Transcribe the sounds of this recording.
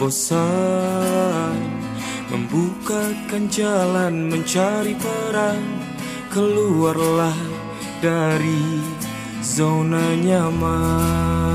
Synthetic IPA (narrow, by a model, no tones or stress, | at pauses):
bosa | mə̰mbukakand͡ʒalanməɲt͡ʃaɾipəɾaŋ | kəluarlah | daɾi | zanaɲama